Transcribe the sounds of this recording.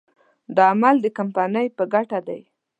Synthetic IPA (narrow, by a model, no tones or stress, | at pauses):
d̪əamald̪əkampɑnəjpəɡaʈad̪aj